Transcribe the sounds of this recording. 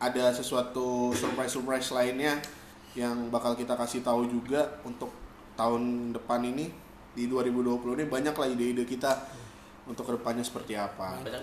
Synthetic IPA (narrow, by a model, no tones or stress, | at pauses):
ʔadasəsuat̪usurpɾajsurpɾajslaɪnɲa | jaŋbakalkit̪akasɪht̪aud͡ʒuɡaunt̪ʊk̚ | t̪aɦʊndəpanini | diduaɾibuduapulunibaɲaklahideidəkit̪a | unt̪ʊkːədəpanɲasə̥pərt̪iapa